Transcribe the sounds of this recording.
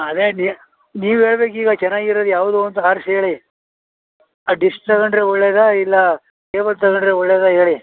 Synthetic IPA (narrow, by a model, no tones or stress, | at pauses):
ɐd̪eni | niːʋuɦeːɭbeːk̬iːɡɐt͡ʃɛnːaːɡiɾod̪ujaːʋud̪uɐnt̪uaːɾseːɭi | aɖisʈ̚t̪ɐkɐɳɖɾeɔɭːeːd̪ɐilːɐ | keːʋɐlt̪ɐkɐɳɖɾeɔɭːeːd̪ɐɦeːɭi